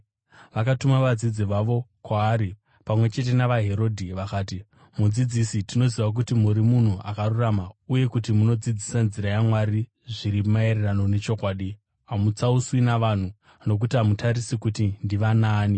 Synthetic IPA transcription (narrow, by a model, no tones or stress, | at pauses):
ʋakatumaʋad͡zid͡ziʋaʋo̞kwaːɾi | pamwe̞t͡ʃe̞t̬e̞naʋaɦe̞ɾo̞dʱiʋakaːti | mud͡zid͡zisitino̞ziʋak̬utimuɾimun̤uʔakaruramauje̞kutimuno̞d͡zid͡zisanziɾajamwaɾi | ʐiɾimae̞ɾerano̞ne̞t͡ʃo̞kwaːɗi | amut͡sauswinaʋan̤u | no̞k̬utiɦamutaɾisikutindiʋanaːni